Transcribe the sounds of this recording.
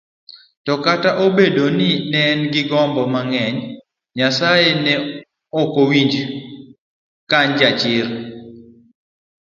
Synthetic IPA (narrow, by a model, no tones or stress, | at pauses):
tɔkataʔobedonɪnɛnɡɪɡɔmbɔmaŋɛɲ | ɲasajenɛ | ɔkowiɲd͡ʒ | kaɲd͡ʒat͡ʃɪɾ